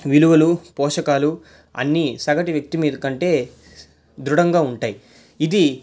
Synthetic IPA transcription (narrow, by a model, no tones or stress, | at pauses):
ʋiluʋɐlupɔːʂɐkaːlu | ɐ̰nːisɐɡɐʈiʋjɐk̚t̪imiːd̪ukɐɳʈe̞ː | d̪ɾuɽɐŋɡaːuɳʈaːji | id̪i